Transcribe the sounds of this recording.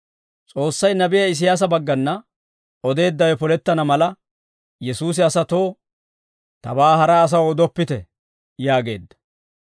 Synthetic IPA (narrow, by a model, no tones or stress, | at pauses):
t͡sʼo̞ːsːɐjnɐbɪjɐɪs̬ɪjaːs̬ɐbɐɡːɐnːɐ | ɔd̪e̞ːd̪ːɐwɛpɔlɛt̪ːɐnɐmɐlɐ | jɛsuːs̬ɪɐsɐt̪o̞ː | t̪ɐ̰baːhɐɾaːɐs̬ɐwɔd̪ɔpːɪt̪ɛ | jaːɡe̞̰ːd̪ːɐ̥